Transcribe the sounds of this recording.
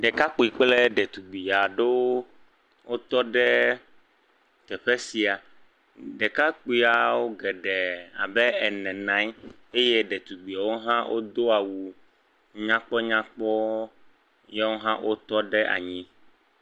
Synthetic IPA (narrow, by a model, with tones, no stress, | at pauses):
ɖɛ˨ka˦k͡pu˨i˨k͡plɛ˦ɖɛ˨t̪u˨ɡ͡bi˨a˨ɖe˦w | wo˦t̪ɔ˦ɖɛ˦ | t̪ɛ˨ɸɛ˦si˨a˨ | ɖɛ˨ka˦k͡pu˦i˦a˨wo˦ɡɛ˨ɖɛ˨a̰˨bɛ˦ɛ˨nɛ̃˨nã˦j | e˦je˦ɖɛ˨t̪u˨ɡ͡bi˨a˨wo˦ɦã˦wʔo̰˦d̪o˦a˨wu˨ | ɲã˦k͡pɔ˦ɲã˦k͡pɔ˦ | jɛ˦wo˦ɦã˦ʔo˦t̪ɔ˦ɖɛ˦ʔa̰˨ɲĩ˦